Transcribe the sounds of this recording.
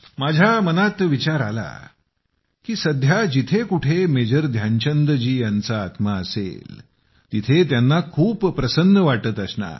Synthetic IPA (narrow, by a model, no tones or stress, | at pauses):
mad͡ʑʱjamənat̪ʋit͡ɕaɾa̰la̰ | kiːsəd̪ʱjad͡ʑit̪ʰekuʈʰemed͡ʑəɾd̪ʱjaɲt͡ɕənd̪d͡ʑiːjant͡saːt̪maəsḛl | t̪it̪ʰet̪janːakʰuːppːɾəsənːəʋaʈət̪əsna̰